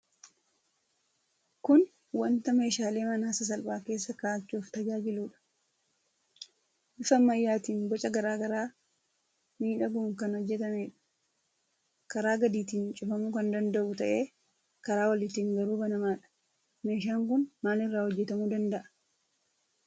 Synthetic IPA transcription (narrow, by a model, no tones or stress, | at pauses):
kʊn | wɐnt̪ɐme̞ːʃaːle̞ːmɐnaːsɐs̬ɐlbaːke̞ːsːɐkaːt͡ʃːuːft̪ɐd͡ʒaːd͡ʒɪluːᶑɐ̥ | ʔɪfɐmːɐjːaːt̪iːnbɔt͡ʃʼɐɡɐɾaːɡɐɾaː | miːᶑɐɡuːŋkɐnhɔd͡ʒːɛt̪ɐmeːᶑɐ̥ | kɐɾaːɡɐd̪iːt̪iːnt͡ʃʼʊfɐmukɐnd̪ɐnd̪ɐʔʊt̪ɐʔe̞ː | kɐɾaːwɐlɪt̪iːŋɡɐɾuːbɐnɐmaːᶑɐ̥ | me̞ːʃ̬aːŋk̬ʊnmaːlɪrːaːhɔd͡ʒːɛt̪ɐmuːd̪ɐnd̪ɐʔɐ̥